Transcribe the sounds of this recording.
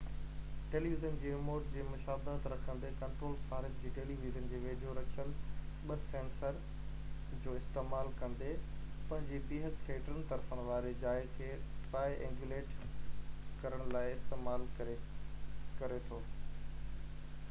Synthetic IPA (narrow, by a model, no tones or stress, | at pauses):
ʈeːliʋizənd͡ʑiːemoːʈ̚d͡ʑeːmʊʃaːbət̪ɾɐkʰə̃nd̪ekɐ̃ɳʈɾoːlsaːɾɪt̪̚d͡ʑiːʈeːliʋizənd͡ʑeːʋeːdʱoɾɐt͡ɕʰəlɓɐsẽːnsəɾ | d͡ʑoːɪst̪eːmaːlkɐ̃nd̪epɐ̃ɦɪ̃ɲd͡ʑebiːɦət̪kʰeːʈəɾənɪ̆t̪ɐɾfəɽ̃ɪ̆ʋaːɾed͡ʑaːɪzkʰeːpaːɪʔḛ̃ːŋɡjuleːʈ | kɐɾəɽ̃laːɪɪst̪eːmaːl | kɐɾet̪ʰoː